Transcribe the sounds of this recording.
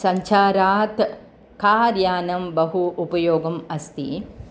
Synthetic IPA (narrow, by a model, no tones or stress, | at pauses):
sɐɲt͡ʃaːɾaːt̪ | kaːɾjaːnɐmbɐɦuʔupɐjoːɡɐmɐst̪ḭ